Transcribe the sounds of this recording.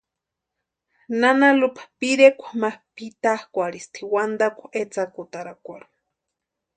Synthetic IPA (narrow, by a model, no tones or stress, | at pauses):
nanalupḁpiɾekʷḁmahpit̪ahkʷaɾist̪ʰiwand̪akʷaʔet͡sakut̪aɾakʷaɾu̥